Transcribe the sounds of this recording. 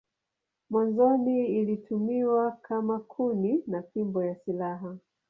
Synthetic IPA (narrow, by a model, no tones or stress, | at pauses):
mwanzɔniːlitʰumiwakʰamakʰuninapimbɔjasilaɦa